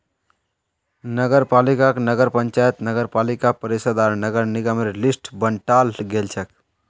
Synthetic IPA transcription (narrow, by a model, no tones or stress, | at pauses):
nəɡəɾpalikaknəɡəɾpənt͡ʃajət̪nəɡəɾpalikapəɾisəd̪aɾnəɡəɾniɡamelisʈbəɳʈalɡelt͡ʃʰək